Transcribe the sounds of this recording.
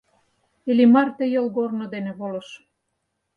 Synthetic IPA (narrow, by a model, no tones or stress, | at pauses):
elimɑrt̪ĕjolɣornod̪enĕβolɤ̆ʃ